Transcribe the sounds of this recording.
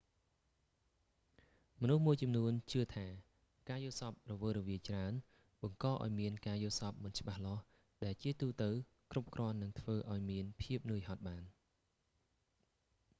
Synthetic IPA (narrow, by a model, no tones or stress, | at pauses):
mɔnuhmuəjt͡ɕɑmnuənt͡ɕɨət̪ʰaː | kaːjosɑp̚rɔʋəːrɔʋiəjt͡ɕraən | ɓɑŋkɑːʔa̰ɔjmiənkaːjosɑp̚mɨnt͡ɕə̆ɓahlɑ̆h | ɗaɛlt͡ɕiət̪uːt̪ɨw | krup̚krŏənːɨŋt̪ʰʋəːʔaɔjmiənpʰiəp̚nɨəjɦɑt̪̚ɓaːn